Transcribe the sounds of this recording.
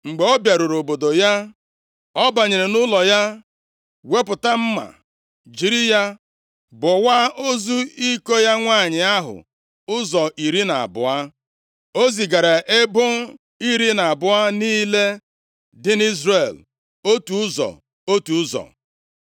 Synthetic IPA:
ŋ͡m̩˨ɡ͡be˨o˦bja˨ɾu˨ɾo˨bo˨do˨ja˦ | ɔ˦ba˨ɲɪ˨ɾɪ˨nʊ˦lɔ˨ja˦ | we˦pʊ˨ta˦m̩˦ma̰˨ | d͡ʒi˨ɾi˦ja˦ | bʊ˨wa˦ʔo˦zu˦i˦ko˦ja˦ŋʷa˦˨ɲɪ˨a˦ɦʊ̰˨ | ʊ˦zɔ˨ʔi˨ɾi˦na̰˨a̰˨bʊ̰˨a˦ | o˦zi˨ɡa˨ɾa˨ʔɪ˦bʊ˦ | i˦ɾi˦na˨a˨bʊ˨a˦niː˦le˦ | dɪ˦ni˦zre˨l | o˦tu˨ʊ˦zɔ̰˨ | o˦tu˨˦zɔ̰˨

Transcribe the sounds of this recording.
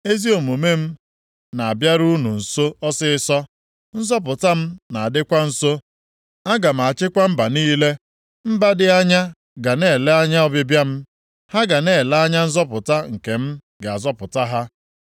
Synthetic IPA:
e˦zi˦o˨mo˨me˦m̩˦ | na˨a˨bja˦ɾu˦nu˨n̩˨so˦ɔ˦sɪ˦ɪ˦sɔ˦ | n̩˦zɔ˦p̬ʊ˨ta˦m̩˦na˨a˨dɪ˦kʷa˦n̩˨so˦ | a˦ɡa˨m̩˨a˨t͡ʃɪ˦kʷa˦m̩˦ba˨niː˦le˦ | m̩˦ba˦dɪ˨a˦ɲa˦ | ɡa˨ne˦˨le˦a˦ɲa˦ɔ˦bɪ˦bja˦m̩˦ | ha˦ɡa˨neː˦˨la˦ɲa˦n̩˦zɔ˦pʊ˨ta˦ŋ̩˨ke˨m̩˦ | ɡe˨a˨zɔ˦pʊ˨ta˦ɦa˦

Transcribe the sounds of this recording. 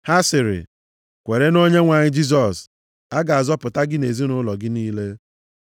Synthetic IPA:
ha˦sɪ˨ɾɪ̰˨ | kʷe˨ɾe˦no˦ɲe˦ŋʷa˨ɲɪ˦d͡ʒi˦z̬ɔ˨s | a˦ɡa˨a˨zɔ˦pʊ˨ta˦ɡɪ˦ne˨zi˦nʊ˦lɔ˨ɡɪ˦niː˦le˦

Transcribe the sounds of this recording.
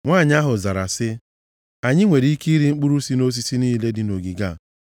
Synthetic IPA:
ŋʷaː˦˨ɲ˦a˦ɦʊ˨za˨ɾa̰˨sɪ˦ | a˨ɲɪ˦ŋʷe˨ɾi˦i˦ki˦ɾi˨ŋ͡m̩˦k͡pu˦ɾu˦si˦no˦s̬i˦si˦niː˦le˦dɪ˨no˨ɡi˨ɡa˦˨

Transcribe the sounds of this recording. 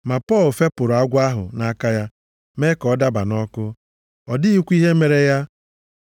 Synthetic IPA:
ma˨pɔ˦˨lfe˦pʊ˨ɾʊ˨a˦ɡʷa˦ɦʊ̰˨na˦ka˦ja˦ | me˦kɔ˨˦da˦ba̰˨nɔ˦kʊ˦ | ɔ˨dɪ˦i˦kʷi˦ɦe˦me˨ɾe˦ja˦

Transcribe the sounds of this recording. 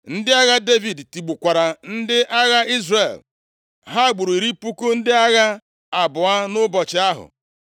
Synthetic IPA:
n̩˦dɪ˦a˦ɣa˦de˦vi˨dti˨ɡ͡bu˨kʷa˨ɾa˨n̩˦dɪ˦ʔa˦ɣa˦i˦zre˨l | ɦa˦˨ɡ͡bʊ˨ɾi˨ɾi˦pu˦ko˦n̩˦dɪ˦a˦ɣa˦ | a˨bʊ˨a˦nʊ˦bɔ˨t͡ʃɪ˨˦a˦ɦʊ̰˨

